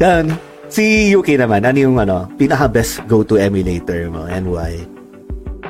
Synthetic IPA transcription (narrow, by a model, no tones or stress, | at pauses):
d̪ɐon | sijuːkejnɐmanʔɐnjʊŋʔɐno̞piːnɐkɐbɛstɡowt̪uʔɛmʊlejt̪ɛɹmo̰ʔɛ̰̃nd̪waj